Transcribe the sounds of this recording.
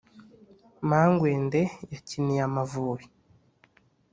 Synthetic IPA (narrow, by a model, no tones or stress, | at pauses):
maŋɡweːndejacinijamavuːɾi